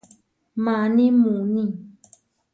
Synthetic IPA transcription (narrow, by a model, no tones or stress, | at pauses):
mãnĩmũnĩ